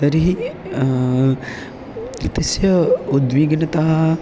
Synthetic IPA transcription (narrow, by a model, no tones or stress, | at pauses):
t̪ɐɾiɦi | t̪isjɐud̪ʋiɡnɐt̪aɦɐ